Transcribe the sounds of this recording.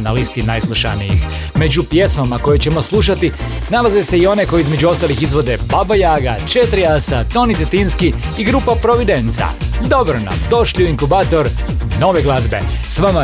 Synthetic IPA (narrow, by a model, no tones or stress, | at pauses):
nalist̪inajslˠuʃa̰nijḭx | me̞d͡ʒupje̞smamako̞jet͡ɕe̞mo̞slˠuʃat̪i | nalazese̞io̞ne̞ko̞jeizme̞d͡ʑuo̞st̪alixizʋo̞d̪e̞babajaːɡa̰t͡ʃet̪ɾiasat̪o̞nit̪et̪inskiiɡɾuːpapɾo̞ʋid̪ent̪sa̰d̪o̞bɾona̰md̪o̞ʃliuiŋkubaːt̪o̞ɾ | no̞ʋeɡlˠazbe̞̰sʋama